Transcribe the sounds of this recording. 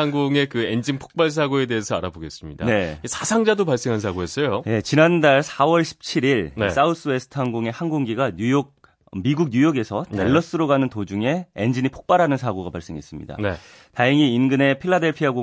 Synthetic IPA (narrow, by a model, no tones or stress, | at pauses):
aŋɡoŋe̞kɯend͡ʑinpʰo̥k̚p͈aɭs̬ʰaɡoe̞de̞esʰʌaɾaboɡe̞s͈ɯmɲida̰ne̞sʰasʰaŋd͡ʑadopaɭs͈e̞ŋɦansʰaɡoes͈ʌjoje̞t͡ɕinandaɭsʰawʌɭɕʰi̥p̚t͡ɕʰiɾiɭnes͈aus͈ɯwe̞sʰɯ̥tʰaŋɡoŋe̞hanɡoŋɡiɡaɲujok̚ | miɡuɡ̚ɲujoɡe̞sʰʌte̞ɭːʌs͈ɯɾoɡanɯntod͡ʑuŋe̞end͡ʑinipʰo̥k̚p͈aɾɦanɯns̬ʰaɡoɡapaɭs͈e̞ŋɦe̞s͈ɯmɲḭda̰nḛ | tajeŋiinɡɯne̞pʰiɭːade̞ɭpʰiaɡo